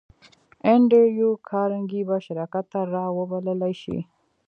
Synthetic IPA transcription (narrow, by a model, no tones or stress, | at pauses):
eɳɖəjukʰɑɾaŋɡibaʃaɾɑkat̪ːaɾɑwəbaləlajʃḭ